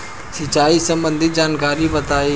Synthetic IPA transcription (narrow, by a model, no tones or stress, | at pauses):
sɪt͡ʃaːisəmbə̃nd̪ʱɪd͡ʒaːnkaːɾibət̪aːe